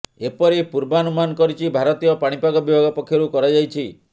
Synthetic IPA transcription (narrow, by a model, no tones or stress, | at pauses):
epɔɾepuɾbanumanɔkɔɾit͡ʃʰibʱaɾɔt̪ijɔpaɽ̃ipaɡɔbibʱaɡɔpɔkʰːjɔɾukɔɾad͡ʒajt͡ʃʰi